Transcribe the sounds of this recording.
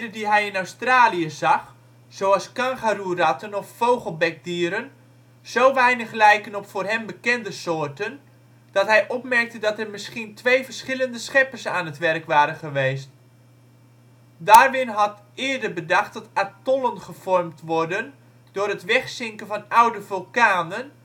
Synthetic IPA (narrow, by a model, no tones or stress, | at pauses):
dədiɦɛjɪnawstraːliəzɑx | z̥owɑlˠskɑ̃ŋχarurɑtənɔffowχəlˠbɛk̚diːɾən | z̥owʋɛjnəχlɛjkənɔpfʊːrɦɛmbəkɛndəsoːrtən | d̥ɑtɦɛjʔɔp̚mɛrk̚tədɑtərmɪsχintʰʋejvərsχɪləndəsχɛpərsaːnɦətʋɛrkʋaːɾənχəʋejst | daːrʋɪnɦɑt | ɪːədərbədɑχtd̥ɑtatɔlənχəv̥ɔrmtʋɔrdən | d̥ʊːrətʋɛχsɪŋkənvɑnawdəvølˠkaːnən